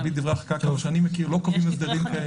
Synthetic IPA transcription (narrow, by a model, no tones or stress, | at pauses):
bid̪ivʁeaχkakaoʃeanimekiʁlo̞kavimazd̪ɐdimkae